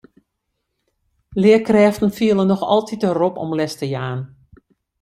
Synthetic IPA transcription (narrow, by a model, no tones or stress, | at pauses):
lɪəkrɛːftn̩fiəlˠənɔxɔ̰lˠtʰitərɔpɔ̰mlɛstəjaːn